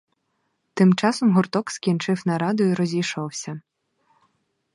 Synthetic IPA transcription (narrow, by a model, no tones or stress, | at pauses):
t̪ɪmt͡ʃɑsɔmɦʊrt̪ɔkskʲint͡ʃɪwnɐɾɑd̪ʊjiɾɔzʲijʃɔwsʲɐ